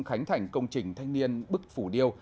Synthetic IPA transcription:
xa˨˦jŋ̟t̪ʰa˧˩jŋ̟kə˧wŋ͡mt͡ɕï˨˩ŋ̟t̪ʰa˧jŋ̟ni˧ənɓɨ˦˥k̚fu˧˩ɗi˧əw

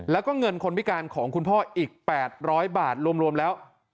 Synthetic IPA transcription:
lɛː˦˥wkɔː˥˩ŋɤ˧nkʰo˧nwi˦˥kaː˧nkʰɔː˩˦ŋkʰu˧npʰɔː˥˩ʔiː˨˩k̚pɛː˨˩t̪̚ɾɔː˦˥jbaː˨˩t̪̚ɾu˧əmɾu˧əmlɛː˦˥w

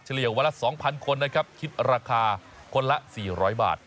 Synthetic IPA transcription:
t͡ɕʰa˧li˨˩əwa˧lːa˦˥sɔː˩˦ŋpʰa˧nkʰo˧nːa˦˥kʰa˦˥p̚kʰi˦˥t̪̚ɾaː˧kʰaː˧ | kʰo˧nla˦˥siː˨˩ɾɔː˦˥jba̰ː˨˩t̪̚

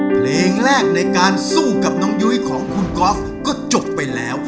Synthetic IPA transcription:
pʰleː˧ŋɾɛː˥˩k̚na˧jkaː˧nsuː˥˩ka˨˩p̚nɔː˦˥ŋju˦˥jkʰɔː˩˦ŋkʰu˧nkɔː˦˥f | kɔː˥˩t͡ɕo˨˩p̚ːa˧jlɛː˦˥w

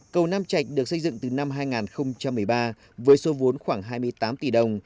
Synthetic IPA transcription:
kə˨˩wnaː˧mt͡ɕa˨˩jk̟̚ɗɨ˨˩ək̚sə˧jzɨ̰˧˨ŋt̪ɨ˨˩na˧mɦaː˧jŋaː˨˩nxə˧wŋ͡mt͡ɕa˧mːɨ˨˩əjɓaː˧ | vəː˨˦jso˨˦vo˨˦nxwaː˧˩ŋɦaː˧jmɨ˧əjt̪aː˨˦mt̪i˧˩ɗə˧˩wŋ͡m

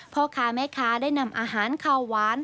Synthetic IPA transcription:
pʰɔ˧˥kʰaː˨˦˥mɛː˦˥˩kʰaː˦˥daː˥˩jna˧˩mʔaː˧ɦaː˩˦nkʰaː˧˩wwaː˨˦˥n

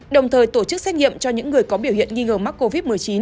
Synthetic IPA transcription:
ɗə˨˩wŋ͡mt̪ʰəː˨˩jt̪o˧˩t͡ɕɨ˦˥k̚sɛ˦˥t̚ɲḭ˧˨əmt͡ɕɔ˧ɲɨ̰˧˥ŋːɨ˨˩əjkɔ˨˦ɓi˧˩wɦḭ˧˨ənŋi˧ŋəː˨˩ma˦˥k̚ko˧vi˦˥t̚mɨ˨˩əjt͡ɕi˨˦n

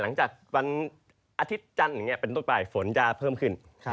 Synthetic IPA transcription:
la˩˦ŋt͡ɕaː˨˩k̚wa˧n | ʔa˧t̪ʰi˦˥t̪̚t͡ɕa˧na˨˩ŋi˦˥ɐpe˧nt̪o˥˩npaː˨˩jfo˩˦nt͡ɕaː˧pʰɤː˥˩mkʰɯ˥˩nʰ

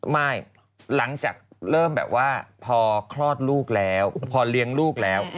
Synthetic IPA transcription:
ma˥˩j | la˩˦ŋt͡ɕa̰ː˨˩k̚ɾɤː˥˩mbɛ̰ː˨˩p̚waː˥˩pʰɔː˧kʰlɔː˥˩t̪̚luː˥˩k̚lɛː˦˥wpʰɔː˧li˧˥əŋluː˥˩k̚lɛː˦˥w

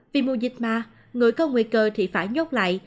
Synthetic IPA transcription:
vi˨˩mu˧˩zï˨˩k̚maː˨˩ | ŋɨ˨˩əjkɔ˧˦ŋwḭ˧˨kəː˧t̪ʰi˨˩faː˧˩jɲo˦˥k͡p̚la̰ː˧˨jʔ

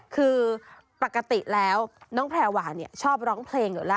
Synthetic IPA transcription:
kʰɯː˧ | pa˨˩kːa˧t̪i˨˩lɛː˦˥wnɔː˦˥ŋpʰlɛː˧˩waː˩˦ni˥˩ɐt͡ɕʰɔː˥˩p̚ɾɔː˦˥ŋpʰleː˧ŋɤ˨˩˦la˦˥˩

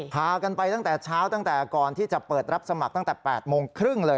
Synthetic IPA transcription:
pʰaː˧ka˧npa˧jt̪a˥˩ŋt̪ɛː˨˩t͡ɕʰaː˦˥wt̪a˥˩ŋt̪ɛː˨˩kɔː˧nt̪ʰiː˥˩t͡ɕa˨˩pɤː˨˩t̪̚ɾa˦˥p̚sa˧ma˨˩k̚t̪a˥ŋ˩t̪ɛː˨˩pɛː˨˩t̪̚moː˧ŋkʰɾɯ˥˩ŋlɤː˧j

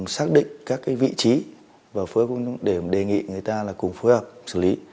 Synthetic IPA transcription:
saː˦˥k̚ɗḭ̈˧˨ŋ̟kaː˦˥kːaː˨˦jvḭ˧˨t͡ɕi˨˦ | vaː˨˩wfɨ˨˦əkʊ˧ŋ͡mɗe˧˩˨ɗe˨˩ŋḭ˧˨ŋɨ˨˩əjt̪aː˧laː˨˩kʊ˨˩ŋ͡mfo˨˦jhəː˨˩p̚sɨ˧˩li˨˦

